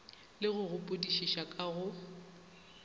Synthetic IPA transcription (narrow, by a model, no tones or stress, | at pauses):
lɪɣʊɣʊpʼʊdiʃiʃakʼaɣʊ